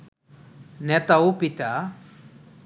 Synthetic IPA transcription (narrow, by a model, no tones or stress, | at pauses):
nɛt̪aupit̪a